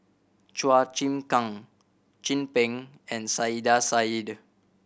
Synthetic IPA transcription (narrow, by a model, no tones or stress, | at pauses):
t͡ʃwat͡ʃĩmkãŋ | t͡ʃĩnpɛ̃ŋ | ɛ̃nsaidasaid